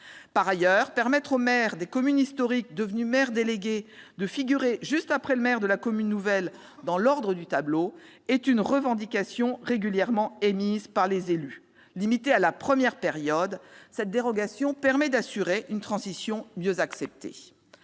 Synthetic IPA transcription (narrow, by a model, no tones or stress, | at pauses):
paʁajœʁpɛʁmɛt̪χomɛʁd̪ekɔmynist̪ɔʁik̚d̪əvnymɛʁd̪eleɡʲed̪əfiɡʲyʁeʒyst̪apχɛləmɛʁd̪əlakɔmynːuvɛl | d̪ɑ̃lɔʁd̪ʁəd̪yt̪ablo | ɛt̪ynʁəvɑ̃d̪ikasjɔ̃ʁeɡʲyljɛʁmɑ̃emizpaʁlezely | limit̪ealapχəmjɛʁpeʁjɔd̪sɛt̪̚d̪eʁɔɡasjɔ̃pɛʁmɛd̪asyʁeʔynt̪χɑ̃zisjɔ̃mjøzaksɛp̚t̪ʰḛ